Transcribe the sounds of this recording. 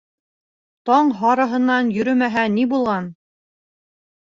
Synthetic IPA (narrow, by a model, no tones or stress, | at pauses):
t̪ɒɴɦɑɾɤ̆ɦɤ̆nːɑnjɵ̆ɾɵmæɦænibulˠʁɑn